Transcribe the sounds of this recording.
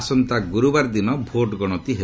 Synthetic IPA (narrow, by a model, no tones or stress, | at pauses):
sɔnt̪aɡuɾubaɾd̪inɔbʱoʈɡɔɽ̃ɔt̪iɦe